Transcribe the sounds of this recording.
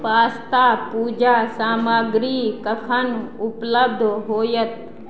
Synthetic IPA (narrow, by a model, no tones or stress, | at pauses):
paːst̪apuːd͡ʒaːsaːmaɡɾikəkʰənʊpləb̚d̪ʱɦoːjət̪̚